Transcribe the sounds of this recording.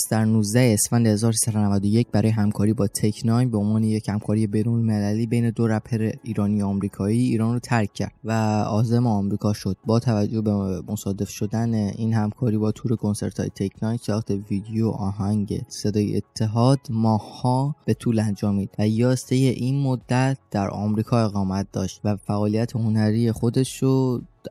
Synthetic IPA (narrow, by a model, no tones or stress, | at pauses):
sd̪æɾnuːzd̪æheːsfænd̪ehe̞zɒːɾosi̥sæd̪onævæd̪o̞je̞c̚bæɾɒːjeɦæmkʰɒːɾiːbɒːt̪ʰekʰnɒnbeonvɒːne̞jechæmkʰɒːɾije̞be̞jnolmelæliːbejne̞d̪oɾæpʰeɾeiːɾɒːnijoɒmɾiːkʰɒːiːiːɾɒːnrot̪ʰæɾcʰːæ̰ɾd̪væɒːzemeɒmɾiːkʰɒːʃo̞d̪̥̚bɒːt̪ʰævæd͡ʒːo̞hbemo̞sɒːd̪e̞fʃo̞d̪æneiːnhæmkʰɒːɾiːbɒːt̪ʰuːɾe̞kʰo̞nse̞̰ɾt̪ʰɒ̰jet̪ʰecʰnɒnsɒxt̪ʰeviːd̪ejoʔɒːɦæŋɟḛse̞d̪ɒːjḛʔḛt̪ʰːe̞ɦɒːd̪̥mɒːhhɒːb̥e̞t̪ʰuːlænd͡ʒɒːmiːd̪̥væjɒːst̪ejeʔiːnmod̪ːæt̪̚d̪̥æɾʔɒ̰ːmɾiːkʰɒːe̞ɣɒːmæt̪̚d̪̥ɒ̰ːʃt̪væfæʔɒːlijæt̪ʰeho̞næɾieχo̞d̪e̞ʃɾo